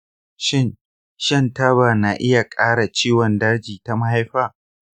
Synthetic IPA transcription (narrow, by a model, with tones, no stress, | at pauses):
ʃɪ˦n | ʃɐ˦˨nta˦ba˨na˨ʔɪ˦ja˨kʼaː˦ɽa˨t͡ʃiː˦wɔ˨ndɐ˦rd͡ʒiː˨ta˦ma˦ha˦jɸaː˦˨